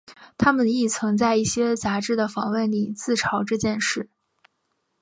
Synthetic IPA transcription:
t̪ʰa˥mə˨ni˥˩t͡sʰɤ˧˥ŋt͡sa˥˧ɪi˥˩ɕjɛ˥t͡sa˧˥ʈ͡ʂɻ̩˥˩d̪ə˩fɑ˧˥ŋwə˥˩nli˨˩t͡sɹ̩˥˩ʈ͡ʂʰɑ˧˥ʊʈ͡ʂɤ˥˧t͡ɕjɛ˥˧nʂɻ̩˥˩

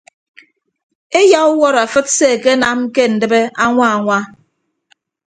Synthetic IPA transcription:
e˦ja˦u˦wɔ˦ɾa˨fɨ˦t̚se˦˨ke˦na˦m̩˦ke˦n̩˨dɨ˦be˦a˦ŋʷa˦a˨ŋʷa˦

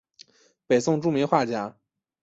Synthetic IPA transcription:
pe˨˩ɪsʊ˥˧ŋʈ͡ʂu˥˩mi˧˥ŋxwa˥˩t͡ɕja˧˥

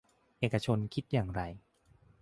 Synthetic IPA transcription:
ʔeː˨˩kːa˧t͡ɕʰo˧nkʰi˦˥t̪̚jaː˨˩ŋɾa˧j

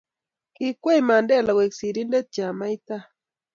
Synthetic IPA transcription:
ki˦kwe˦i˨ma˨ndɛ˦˨la˨we˨ksi˨ɾi˦nde˦t̪̚t͡ʃa˨ma˦i˦t̪a˦

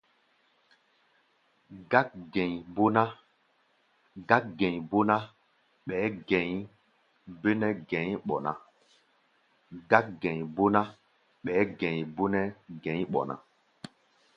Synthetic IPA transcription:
ɡa˦k̚ɡɛ̃˨ɲbo˦na˦ | ɡa˦k̚ɡɛ̃˨ɲbo˦na˦ | ɓɛː˨˦ɡɛ̃˨˦ɲ | be˦nɛ˦ɡɛ̃˨˦ɲɓɔ˨na̰˨ | ɡa˦k̚ɡɛ̃˨ɲbo˦na˦ | ɓɛː˨˦ɡɛ̃˨ɲbo˦nɛ˦ɡɛ̃˨˦ɲɓɔ̰˨nã̰˨

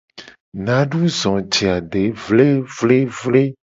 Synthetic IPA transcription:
nã˨˦ɖu˦zɔ̃˨d͡ʒi˨a˨ɖe˨˦vle˦vle˦vle˦

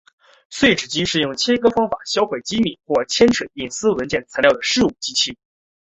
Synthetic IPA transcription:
swe˥˩ɪʈ͡ʂɻ̩˨˩t͡ɕi˥ʂɻ̩˥˧jʊ˥˩ŋt͡ɕʰjɛ˥kɤ˥fɑ˥ŋfa̰˨˩˦ɕjɑ˥ʊxwe˥˩ɪt͡ɕi˥mi˨˩xwɔ˥˩t͡ɕʰjɛ˥nʈ͡ʂʰwə˨˩ni˥˩ŋsɹ̩˥wə˧˥nt͡ɕjɛ˥˩nt͡sʰa˧˥nljɑ˥˩ʊd̪ə˩ʂɻ̩˥˩u˨˩t͡ɕi˥t͡ɕʰi˥˩

